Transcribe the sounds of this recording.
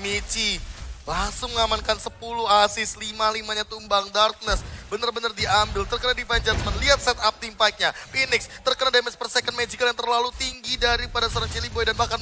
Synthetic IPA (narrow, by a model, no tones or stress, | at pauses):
mit͡ʃilaŋsʊŋəŋamankansəpuluhasɪslimalimaɲat̪umbaŋdart̪̚nɛsbənərbənərdiambɪlt̪ərkənadifand͡ʒasmanliɦat̪̚sɛt̪ap̚t̪iŋpaik̚ɲafinɪkst̪ərkənadamɛspərsɛkənmed͡ʒikaljaŋt̪ərlalut̪iŋɡidaɾipadasəɾaŋt͡ʃilibojdanmakan